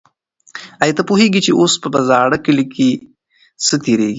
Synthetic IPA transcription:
ajt̪apuɦeɡit͡ʃeʔospəbɐzɑɽakɪlikʰi | sət̪eɾeɡi

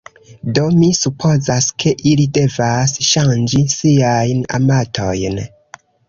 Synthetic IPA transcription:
do̞misupʰo̞zaskʰe̞ʔilide̞vasʃand͡ʒisiajna̰matʰo̞̰jn

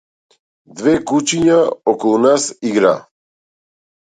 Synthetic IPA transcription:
d̪vɛkut͡ʃiɲaɔkɔlˠunasiɡɾa

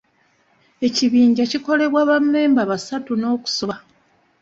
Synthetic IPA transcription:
e̞ciβiːɲɟaciko̞le̞βwaːβamːe̞ːmbaβasatuno̞ːku̥soβa

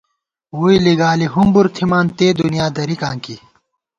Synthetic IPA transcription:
wuːiliɡaːliɦumbuɾt̪ʰimaːnt̪eːd̪unijaːd̪ɐɾikãːŋki

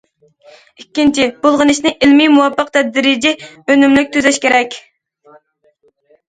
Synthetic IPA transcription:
ikʲːint͡ʃʰib̥ulˠʁənɨʃnɪʔɪlmimuwɑpːəq̚t̪ʰɛd̪ɾɪd͡ʒɪønɪmlɪk̚ʲt̪ʰøzɛʃkʲeɾɛkʲ

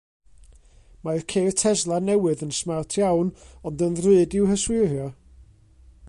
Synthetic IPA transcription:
majrkʰeːtʰɛzlˠanɛwɨðənsmawtʰjawnɔndənrɨɨdɪwhəswɨhjɔ

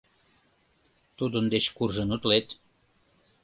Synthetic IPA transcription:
t̪ud̪ənd̪et͡ɕkurʒənut̪let̪

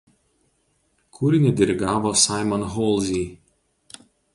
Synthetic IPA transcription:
kʰʊɾʲɪnʲɪd̪ʲɛɾʲɪɡɑːʋoːsɑˑɪmɔnɦɔlˠzʲiː

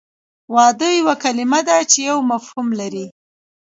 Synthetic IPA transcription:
wɑd̪əjawakalɪmad̪at͡ʃejawmafhumlaɾi

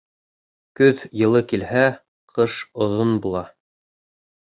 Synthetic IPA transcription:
kɵðjɤ̆lˠɤkilhæ | qʰɤʃŏðonbulˠɑ

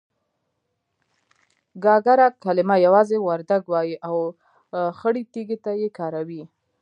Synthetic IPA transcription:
ɡɑɡaɾakalɪmajawɑzewaɾd̪aɡwɑjiʔaw | xəɽit̪eɡet̪ajekɑɾawi

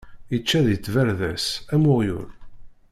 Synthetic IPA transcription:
it͡ʃːæðit͡sːvæɾðæsæmʊʁjʊ̰ɾ

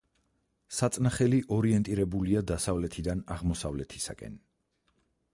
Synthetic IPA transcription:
sat̪sʼnaχɛliʔɔɾiɛnt̪ʼiɾɛbuliad̪asavlɛt̪ʰid̪anaʁmɔsavlɛt̪ʰi̥sa̰kʼɛ̰n

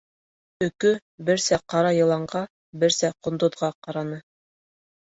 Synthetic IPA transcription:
ɵ̆kɵ | bɘ̆ɾsæqɑɾɑjɤ̆lˠɑɴɢɑ | bɘ̆ɾsæqŏnd̪ŏðʁɑqɑɾɑnɤ

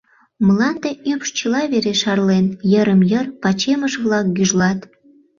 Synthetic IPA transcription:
məlɑnd̪eʔypʃt͡ɕəlɑβeɾeʃɑrlenjəɾəmjərpɑt͡ɕeməʃβlɑk̚ɡyʒlɑt̪

